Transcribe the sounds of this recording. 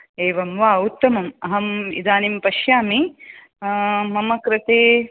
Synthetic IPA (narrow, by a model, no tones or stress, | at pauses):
eːʋɐmʋaːut̪ːɐmɐmɐɦɐmḭd̪aːnimpɐʃjaːmi | mɐmɐkɾɪt̪eː